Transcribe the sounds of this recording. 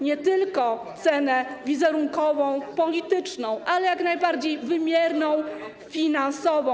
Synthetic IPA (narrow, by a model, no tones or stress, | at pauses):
ɲɛt̪ɘlkɔt̪sɛnɛvʲizɛɾuŋkɔvɔ̃w̃pɔlʲit̪ɘt͡ʂnɔ̃w̃ʔalɛjaknajbaɾd͡ʑejvɘmʲjɛɾnɔ̃w̃ | fʲinansɔvɔ̃